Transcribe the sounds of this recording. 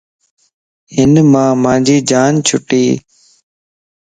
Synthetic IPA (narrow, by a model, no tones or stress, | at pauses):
hɪnmãːmãːd͡ʒiːd͡ʒaːnt͡ʃʰʊʈiː